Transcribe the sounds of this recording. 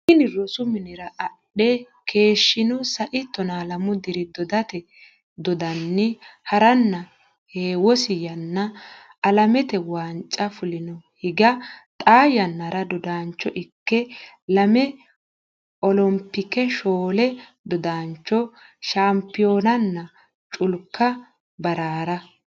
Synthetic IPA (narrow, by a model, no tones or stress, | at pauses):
ɪnɪrɔsʊmɪnɪɾɐʔɐɗːɛ | kʰe̞ːʃːɪnɔsɐʔɪt̪ːɔnalɐmʊd̪ɪɾɪd̪ɔd̪ɐt̪ɛ | d̪ɔd̪ɐnːɪhɐɾɐnːɐ | heːwɔsɪjɐnːɐ | ɐlɐmɛt̪ɛwaːnt͡ʃʼːɐfʊlɪnɔhɪɡɐt̪ʼaːjɐnːɐɾɐd̪ɔd̪aːnt͡ʃːɔʔɪkːɛ | lɐmɛ | ʔɔlɔmpːɪkɛʃoːlɛ | d̪ɔd̪aːnt͡ʃːɔ | ʃaːmpɪjo̞ːnɐnːɐ | t͡ʃʼʊlkːɐ | bɐɾaːɾɐ